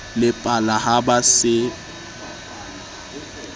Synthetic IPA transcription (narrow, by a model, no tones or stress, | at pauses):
lɪpʼalahabasɪ